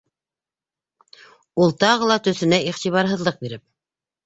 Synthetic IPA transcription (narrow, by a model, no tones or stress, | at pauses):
ulˠt̪ɑʁɤlˠɑt̪ɵ̆θɘ̆næʔiχt̪iβɑɾɦɤ̆ðlˠɤq̚biɾɘp̚